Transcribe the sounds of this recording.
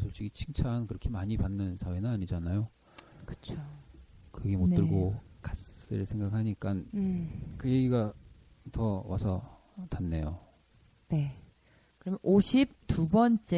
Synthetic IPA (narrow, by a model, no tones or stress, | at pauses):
sʰoɭt͡ɕ͈iɡit͡ɕʰiŋt͡ɕʰankɯɾʌkʰe̞maɲipanːɯnsʰawe̞nɯnaɲid͡ʑanajo | kɯ̥t͡ɕʰokɯɡe̞mot͈ɯɭɡokas͈ɯɭsʰe̞ŋɡakhaɲik͈an | kɯje̞ɡiɡatʌwasʰʌ | tanːe̞jo | ne | kɯɾʌmjʌnʔoɕʰip̚tubʌnt͡ɕ͈e